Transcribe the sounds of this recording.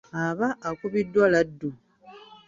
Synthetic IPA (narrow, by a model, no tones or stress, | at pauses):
aβaʔːkuβidːwaladːu